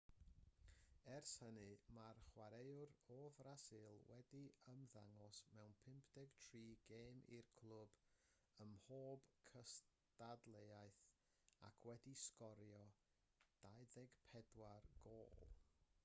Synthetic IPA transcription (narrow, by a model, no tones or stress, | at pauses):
ɛrshənɨmarχwaɾejʊɾovrasɪlˠwɛdiəmðaŋɔsmɛwnpʰɪmpʰd̥ɛɡ̥tʰriːɡeːmʔḭrkʰl̥ˠʊb̥ | əmhoːb̥kʰəs | tadlˠejaɨθ | a̰kʰwɛdiskɔɾjɔ | d̥ajðɛɡpʰɛdwarɡ̥oːlˠ